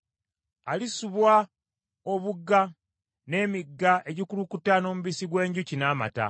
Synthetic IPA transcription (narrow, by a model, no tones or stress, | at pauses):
alisuβwa | oβuɡːa | ne̞ːmiɡːaʔe̞ɟikulukutano̞ːmuβisiɡwe̞ːɲɟucinaːma̰ta̰